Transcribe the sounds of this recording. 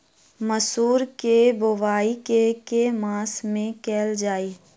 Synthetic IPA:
məsuːɾkebʊʋaːikekemãːsmẽkɛːld͡ʒaːiː

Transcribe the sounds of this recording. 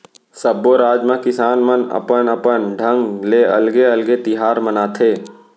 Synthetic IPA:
səbːoɾaːd͡ʒmãkɪsaːnmənɐ̰pənəpənɖʱə̃ŋɡleːɐ̰lɡeɐlɡet̪ɪɦaːɾmənaːt̪ʰeː

